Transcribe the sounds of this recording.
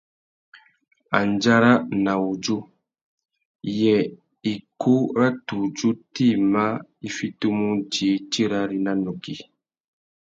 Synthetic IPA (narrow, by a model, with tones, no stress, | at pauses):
a˨nd͡ʒa˦ɾa˦na˨wu˨d͡ʒu˦ | jɛ˨ | i˨ku˦ɾa˦tu˨d͡ʒu˦ti˦˨ma˦i˦fi˦tu˦mu˦d͡ʒi˨˦t͡ʃi˦ɾa˦ɾi˦na˦nu˨ki˨